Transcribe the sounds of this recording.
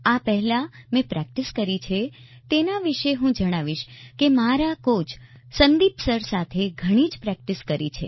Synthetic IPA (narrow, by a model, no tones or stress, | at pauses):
apɛɦɛlamẽpɾɛk̚ʈiskəɾit͡ʃʰe | t̪enaʋiʃeɦũd͡ʒəɽ̃aʋiʃkemaɾakot͡ʃʰ | sənd̪ipsəɾsat̪ʰeɡʱəɽ̃id͡ʒpɾɛk̚ʈiskəɾḭt͡ʃʰḛ